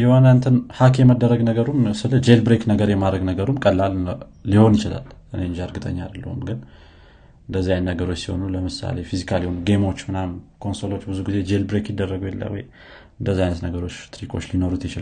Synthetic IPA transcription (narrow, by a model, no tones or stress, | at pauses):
jɛwanant̪ʰɨnhakʰjɛməd̪ːəɾəɡnəɡəɾumsɨləd͡ʒe̞lbɾeknəɡəɾjɛmad̪ɾəɡnəɡəɾumkʼəlːalː | iho̞njɪt͡ʃɪla̰lʔɨne̞ɨnd͡ʒaɾɡɨt̪ʼə̰ɲːad̪lːə̰hṵmɡɨn | ʔɨnd̪əzːiajnːəɡəɾo̞t͡ʃːsiho̞̰nuləmɨsa̰le̞fizikʰalihonuɡe̞mo̞t͡ʃːmɨnamkʰo̞nsolo̞t͡ʃːbɨzuɡize̞d͡ʒelbɾekjɪd̪ːərːəɡəwjɛlːə̰wɔ̰j | ɨnd̪əzːiajnət̪nəɡəɾo̞t͡ʃːt̪ʰɾikʼʰo̞̰t͡ʃːlino̞ɾut̪jɪt͡ʃɪla